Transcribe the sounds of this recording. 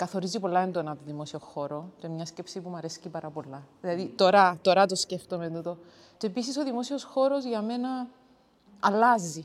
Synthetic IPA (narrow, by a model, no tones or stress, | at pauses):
kɐθo̞ɾizipo̞lːɐend̪onɐt̪oðimo̞sioxo̞ɾo̞t̪emɲɐscepsipumɐɾescipɐɾɐpo̞lːɐðilɐðit̪o̞ɾɐt̪o̞ɾɐt̪osce̞ft̪ome̞t̪ut̪o̞ | t͡ʃepisiso̞ðimo̞sio̞sxo̞ɾo̞zʝɐme̞nɐː | lːɐzi